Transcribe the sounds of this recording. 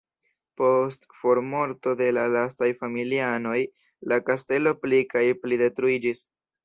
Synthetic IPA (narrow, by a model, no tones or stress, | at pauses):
po̞stfo̞ɾmo̞ɾto̞de̞lalastajfamiliano̞j | lakaste̞lo̞plikajplide̞tɾuid͡ʒis